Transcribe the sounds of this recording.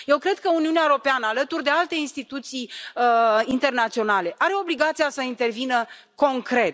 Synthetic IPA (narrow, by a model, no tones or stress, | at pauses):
je̞wkɾe̞d̪̚kəuniuneaeɾo̞peanəalət̪urʲd̪e̞alt̪e̞inst̪it̪ut̪sijəint̪e̞rnat̪sio̞nale̞ʔaɾe̞o̞bliɡat̪sijasəint̪e̞rvinə | ko̞ŋkɾe̞t̪